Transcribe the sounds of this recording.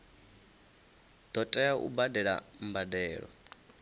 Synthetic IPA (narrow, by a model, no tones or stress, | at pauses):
d̪̥ɔtʼɛaʔṵbadɛɺa̰m̩badɛːɺɔ̰